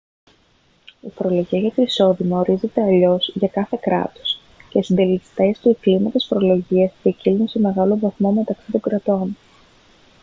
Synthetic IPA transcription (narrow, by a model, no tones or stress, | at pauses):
ifo̞ɾo̞lo̞ʝiɐʝɐt̪iniso̞ðimɐo̞ɾize̞t̪e̞ɐʎo̞sʝɐkɐθe̞kɾɐ̰t̪o̥s | ceisind̪e̞list̪est̪ueklimɐt̪isfo̞ɾo̞lo̞ʝiɐstiecilnunse̞me̞ɣɐlo̞vɐθmo̞me̞t̪ɐksit̪o̞ŋɡɾɐt̪o̞n